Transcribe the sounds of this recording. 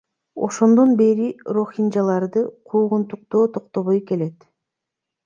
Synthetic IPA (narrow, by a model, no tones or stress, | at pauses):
o̞̰ʃo̞nd̪o̞nbe̞ɾiro̞xind͡ʒɑlˠɑɾd̪ɯqʰuːʁunt̪uq̚t̪oːt̪ʰo̞qt̪o̞βojke̞let̪